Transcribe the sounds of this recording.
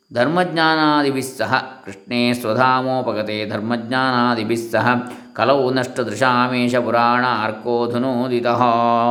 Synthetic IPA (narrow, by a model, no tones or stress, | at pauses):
d̪ʱɐɾmɐɡɲaːnaːd̪ibʱisːɐɦɐkɾiʂɳeːsʋɐd̪ʱaːmoːpɐkɐt̪eːd̪ʱɐɾmɐɡɲaːnaːd̪ʱibʱisːɐɦɐ̆ | kɐlɐwnɐʂʈɐd̪ɾɪʃaːmeːʂɐpuɾaːɳɐɐɾkoːd̪ʱɐnud̪it̪ɐɦɐ̆